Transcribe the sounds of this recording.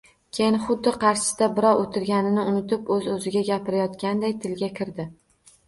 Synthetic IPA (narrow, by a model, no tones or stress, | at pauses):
kʲʰejɪnχʊd̪ːɪqʰɑɾʃɪ̥d̪̥abɪɾɒwʔot̪ʰɪɾɡʲanɪnɪʊnɪt̪ɪpɵzɵzɪɡʲaɡʲapʰɪɾajɒt̪kʲand̪ajt̪ʰɪlɡʲakʲʰɪɾd̪ɪ